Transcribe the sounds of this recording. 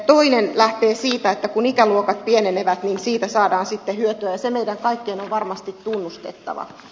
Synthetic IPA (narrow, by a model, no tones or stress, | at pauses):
t̪oinenlæht̪eːsiːt̪æet̪ːækunikæluokɑt̪̚pieneneʋæt̪ninsiːt̪æsɑːdɑːnsit̪ːehyøt̪yæjɑsemeidæŋkɑikːeːnoʋʋɑrmɑst̪it̪tunːust̪et̪ːɑ̰ʋɑ̰